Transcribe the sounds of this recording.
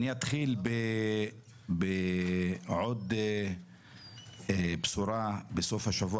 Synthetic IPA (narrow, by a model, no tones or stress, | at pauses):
niat̪χilbe | be | ʕod̪ | bsuɾabesofhaʃavu